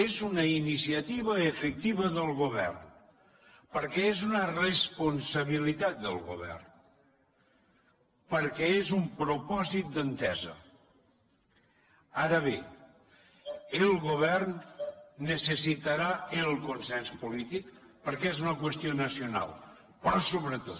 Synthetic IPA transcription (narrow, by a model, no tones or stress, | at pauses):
ezunəinisiət̪iβ̞əːfək̚t̪iβəðəlˠɣuβɛ̰rn | pəɾkɛezunərəspunsəβ̞ilit̪at̪̚d̪ə̰lˠɣṵβ̞ɛ̰rn | pəɾkɛezumpɾupɔzit̪̚d̪ənt̪ɛzə̰ | aɾəβe | əlˠɣoβ̞ɛrnː | əsəsit̪əɾaəlˠkonsɛnspulit̪ikpəɾkɛezunəkwəst̪ionəsiona̰lˠ | pɾɔsoβɾət̪o